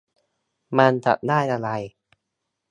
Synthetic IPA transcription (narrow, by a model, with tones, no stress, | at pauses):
ma˧nt͡ɕa̰˨˩t̪̚daː˥˩jʔa˧ɾa˧j